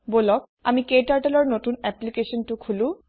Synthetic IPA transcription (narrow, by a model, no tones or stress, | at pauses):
bolɔk̚ | a̰mikeʈaɾʈalɔɾnot̪unɛplikeʃɔnʈukʰulu